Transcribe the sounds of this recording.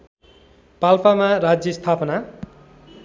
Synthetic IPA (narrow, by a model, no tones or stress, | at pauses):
palpamaɾad͡zjʌst̪ʰapʌna